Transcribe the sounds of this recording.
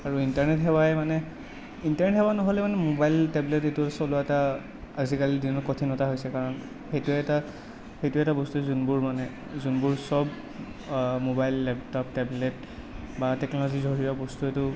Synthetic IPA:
aɹuintaɹnɛtɦɛbajmanɛ | intaɹnɛtɦɛbanɔɦɔlɛmanɛmobajltɛblɛtetʊsɔlʊaɛtaː | zikalidinɔkotʰinɔtaɦojsɛkaɹɔn | xejtuɛɛta | xejtuɛɛtabɔstuzunbuɹmanɛ | zunbuɹsɔb | mobajlːɛp̚tɔp̚tɛblɛt | batɛknɔlɔzizʱɔɹijɔbɔstuetʊ

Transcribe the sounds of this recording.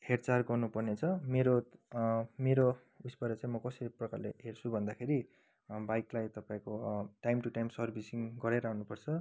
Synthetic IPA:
hert͡sarɡʌrnupʌrnet͡sʰʌmeɾo | meɾo | usbʌɾʌt͡sãĩmʌkʌsʌiprʌkarleɦert͡sʰubʱʌnd̪akʰeɾi | bajklajt̪ʌpaĩkoʈajmʈuʈajmsʌrbʱisiŋɡʌɾeɾʌaunupʌrt͡sʰʌ

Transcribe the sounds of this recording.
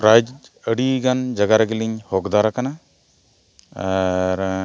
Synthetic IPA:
ɾajd͡ʒəɽiɡand͡ʒɐɡaɾaɡiliɲhɔkd̪aɾakana | aɾ

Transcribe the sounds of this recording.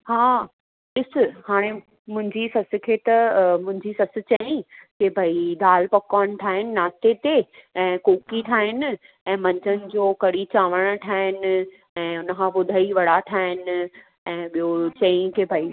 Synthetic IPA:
haː | ɗɪsɪ̆haːɽ̃e | mʊ̃ɦɪ̃ɲd͡ʑisɐsɪ̆kʰeːt̪ɐmʊ̃ɦɪ̃ɲd͡ʑisɐsɪ̆t͡ɕɐĩkebʱɐid̪aːlpɐkaːɽ̃̆ʈ̪ʰaːɦɪnɪ̆naːt̪et̪eɛ̃ːkoːkiʈʰaːɦɪnɪ̆ | ɛ̃ːmɐ̃ɲd͡ʑənɪ̆d͡ʑoːkɐɽit͡ɕaːʋəɽ̃ʈʰaːɦɪnɪ̆ | ɛ̃ːʊnə̆kʰãːɓʊd̪ʱaːiʋɐɽaʈʰaːɦɪnɪ̆ | ɛ̃ːɓijot͡ɕɐ̃ĩkebʱɐi

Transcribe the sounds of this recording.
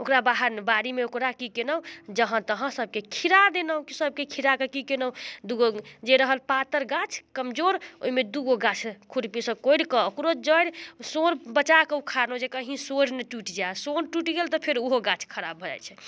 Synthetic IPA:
okɾabaɦəɾnebaɾimeokɾakikenəd͡ʒəɦə̃t̪əɦə̃səb̚kekʰiɾad̪enəkisəb̚kekʰiɾakekikenəd̪uɡod͡ʒeɾəɦəlpat̪əɾɡat͡ʃʰkəmd͡ʒoɾo̰ɦimed̪uɡoɡat͡ʃʰkʰuɾpisə̃koɽkəːkɾod͡ʒəɽsoɾbət͡ʃakeukʰanod͡ʒekəɦĩsoɾneʈuʈd͡ʒasonʈuʈɡelt̪ɔpʰeɾoɦoɡãt͡ʃʰkʰəɾabʱəd͡ʒa̰jt͡ʃʰɛ

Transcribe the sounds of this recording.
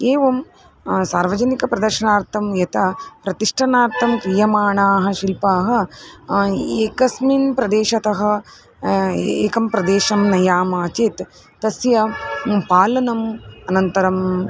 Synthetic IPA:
eːʋɐm | saːɾʋɐd͡ʒɐnikɐpɾɐd̪ɐɾʃɐnaːɾt̪ʰɐmjɐt̪ɐpɾɐt̪iʂʈʰɐnaːɾt̪ʰɐmkɾijɐmaːɳaːɦɐ̆ʃilpaːɦɐ̆ | eːkɐsminpɾɐd̪eːʃɐt̪ɐɦɐ̆ | eːkɐmpɾɐd̪eːʃɐmnɐjaːmaːt͡ʃeːt̪ː | ɐsjɐpaːlɐnɐmɐnɐnt̪ɐɾɐm

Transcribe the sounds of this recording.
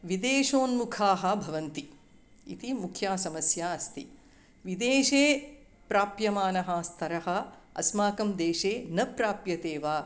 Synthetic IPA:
ʋid̪eːʃoːnmukʰaːɦɐ̆bʱɐʋɐnt̪i | ḭt̪imukʰjaːsɐmɐsjaːɐst̪ḭ | ʋid̪eːʃeː | pɾaːpjɐmaːnɐɦɐst̪ʰɐɾɐɦɐ̆ɐ̰smaːkɐmd̪eːʃeːnɐpɾaːpjɐt̪eːʋaː

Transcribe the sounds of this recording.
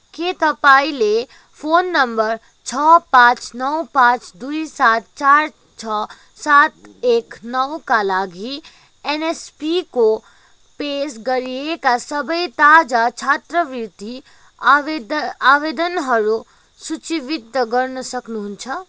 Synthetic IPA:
keːt̪əpaːile | pʰoːnːɐmbəɾ | t͡ʃʰɔpãːt͡ʃnɔwpãːt͡ʃd̪uisaːt̪t͡ʃaːɾ | t͡ʃʰɔ | saːt̪eːknəwkalaːɡʱi | enespiko | peːsɡəɾijekasəbəit̪aːd͡ʒat͡ʃʰaːt̪ɾəʋiɾt̪i | aːʋeːd̪ənɦɐɾu | sut͡ʃiʋɪd̪əɡəɾnəsɐknuɦunt͡ʃʰɐ

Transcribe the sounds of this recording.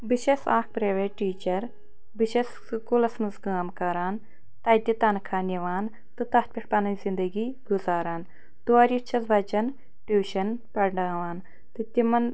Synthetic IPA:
biʃesaːk̚pɾeːʋeʈʈːiːt͡ʃɐɾ | biʃes | kulɐsmɐzɡaːmkɐɾaːn | t̪ɐjt̪it̪ɐnkʰaːniʋaːn | t̪ɨt̪ɐht̪̚pʲiʈpɐnɐnzind̪ɐɡiɡuzaːɾaːn | t̪uaːɾit͡ʃʰɐzʋɐt͡ʃɐn | ʈuːʃɐnpɐɖaːʋaːn | t̪ɨt̪imɐn

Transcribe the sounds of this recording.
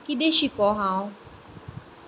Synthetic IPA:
kid̪eʃikɔɦãːõ

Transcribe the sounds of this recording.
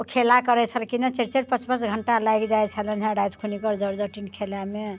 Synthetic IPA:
okʰelakəɾɛt͡ʃʰəlkinət͡ʃeɾt͡ʃeɾpət͡ʃbət͡ʃɡʱəɳʈalajɡd͡ʒaɛt͡ʃʰəlɛnɦẽɖajt̪kʰunikəɾd͡ʒəɾd͡ʒəʈinkʰeljame

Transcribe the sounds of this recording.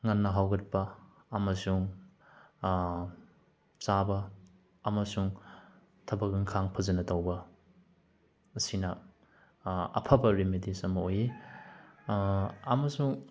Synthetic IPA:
ŋɐnːɐɦawɡɐt̚pɐː | mɐsuŋ | sabɐː | mɐsuŋ | tʰɐbɐɡɯŋkʰaŋpʰɐzɐnɐtawbɐ | sinɐ | ɐ̰pʰabɐɾimidisɐmɐoji | ɐmɐsuŋ

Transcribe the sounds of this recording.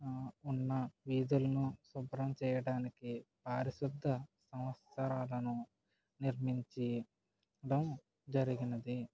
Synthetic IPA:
unːɐʋiːd̪ulɐnusubɾɐmt͡ʃɛːjɐɽaːnikipaːɾisud̪ʱːɐsɐmɐt̪sɐɾaːlɐnu | niɾmiɲt͡ʃi | ɖɐm | d͡ʒɐɾiɡinɐd̪i

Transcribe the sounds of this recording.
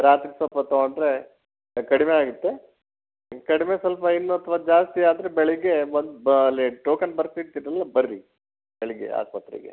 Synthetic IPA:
ɾaːt̪ɾisʋɐlpɐt̪ɐɡoɳɖɾe̞ | kɐɽimeaːɡut̪ːe̞ | kɐɽimeswɐlpɐinːuɐt̪ʰʋaːd͡ʒaːst̪iaːd̪ɾebɛɭɛɡe̞ʋond̪bɐlːiʈoːkɐnbɐɾsiɽt̪idɾɐlːɐbɐɾɾi | bɛɭɐɡḛa̰ːk̚pɐt̪ːɾḭɡḛ

